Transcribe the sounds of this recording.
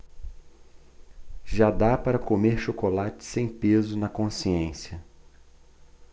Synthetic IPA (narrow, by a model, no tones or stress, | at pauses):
ʒad̪apaɾɐkomeɾʃokolat͡ʃɪ̥sẽj̃pezʊnɐkõsiẽsjɐ